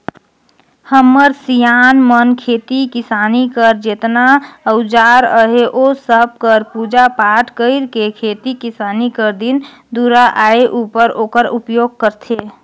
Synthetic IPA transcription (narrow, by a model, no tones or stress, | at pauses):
həmːəɾsijaːnmənkʰeːt̪ikɪsaːnikəɾd͡ʒet̪naəʊd͡ʒaɾəɦeʔosəb̚ʱkəɾpud͡ʒapaːʈkəɪɾkekʰeːt̪ikisaːnikəɾd̪in | d̪uɾaʔaeʔupəɾoːkəɾupjoɡ̚kəɾt̪ʰe